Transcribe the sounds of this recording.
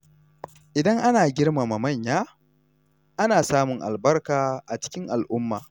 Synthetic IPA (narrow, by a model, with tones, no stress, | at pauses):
ʔɪ˨dɐ˦ŋʔa˦naː˨ɡʲɪ˦rma˨ma˨mɐ˦˨ɲjaː˦ | ʔa˦naː˨saː˦mʊ˨ŋʔa̰˨lbɐ˦rkaː˨ʔa˨t͡ʃɪ̥˦kʲɪ˦ŋʔa˨lʔʊ˦mːa̰ː˨